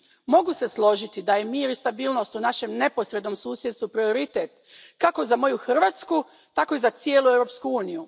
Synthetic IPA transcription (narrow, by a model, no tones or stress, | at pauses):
mo̞ɡuse̞slˠo̞ʒit̪id̪aje̞miːɾist̪abiːlno̞st̪unaʃe̞mne̞po̞sɾe̞d̪no̞msuːsjest̪upɾio̞ɾit̪eːt̪ | kako̞zamo̞juxr̩ʋat̪sku | t̪ako̞izat̪sjeːluewɾopskuuːniju